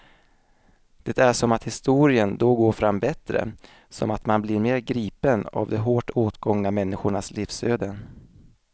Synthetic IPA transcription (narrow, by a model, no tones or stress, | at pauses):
d̪̥ɛt̪æʂɔmat̪hɪst̪uːɾɪənd̪ɔɡoːɾfɾamːbɛt̪ɾə̰ | sɔ̰mat̪manblɪɾmeːɾɡɾiːpəna̰vd̪ɛɦoːʈoːt̪ɡɔŋnamɛnːɪɧʊɳasliːfsøːd̪ən